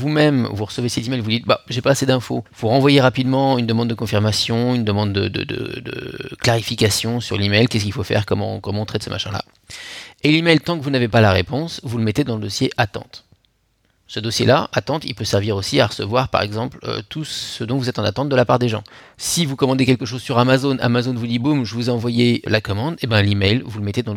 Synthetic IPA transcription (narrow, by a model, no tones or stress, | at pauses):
vumɛmvuʁəsəvesɛt̪imɛjlvud̪it̪̚ba̰ʒepaːsed̪ɛ̃fovuʁɑ̃vwajeʁapid̪mɑ̃ynd̪əmɑ̃d̪ːəkɔ̃fiʁmasjɔ̃ynd̪əmɑ̃d̪ːəd̪ə̰d̪ə̰d̪ə̰klaʁifikasjɔ̃syʁlimɛjlkʲɛskʲilfofɛ̰ʁkɔmɑ̰̃kɔmɑ̃ɔ̃t̪χɛt̪səmaʃɛ̃la̰ | elimɛjlt̪ɑ̃kəvunavepalaʁepɔ̃svuləmɛt̪ed̪ɑ̃ləd̪ɔsjeʔat̪ɑ̰̃t̪ | səd̪ɔsjelaʔat̪ɑ̃t̪ḭlpøsɛʁviʁosiaʁəsəvwaʁpa̰ʁɛ̰ɡzɑ̃plø̰t̪ʰusəd̪ɔ̃vuzɛt̪ɑ̃na̰t̪ɑ̃t̪̚d̪əlapaʁd̪eʒɑ̰̃sivukɔmɑ̃d̪ekʲɛlkəʃ̬ozsyʁamazonʔa̰mazonvud̪ibumʒəvuzeɑ̃vwajelakɔmɑ̃d̪ebɛ̃limɛjlvuləmɛt̪ed̪ɑ̃